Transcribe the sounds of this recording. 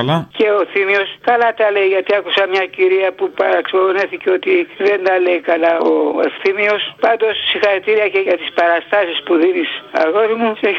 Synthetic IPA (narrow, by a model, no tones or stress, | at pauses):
lɐce̞o̞θimio̞skɐlɐt̪ɐle̞jʝɐt̪iɐkusɐmɲɐciɾiɐpupɐɾɐksioðoneθiceo̞t̪iðe̞nd̪ɐle̞jkɐlɐoḛfθimio̞spɐnd̪o̞sːixɐɾit̪iɾiɐce̞ʝɐt̪ispɐɾɐst̪ɐsispuðinisɐ̰ɣo̞ɾimuse